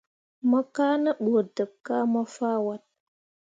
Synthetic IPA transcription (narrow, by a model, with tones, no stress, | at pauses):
mə˦ka˦nə˦ɓo˨də˨kːa˦ma˦fa˦wa˦t̚